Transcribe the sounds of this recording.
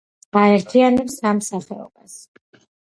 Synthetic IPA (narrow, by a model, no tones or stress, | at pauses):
aɛɾt̪ʰianɛpsamsaχɛ̰ɔ̰b̥as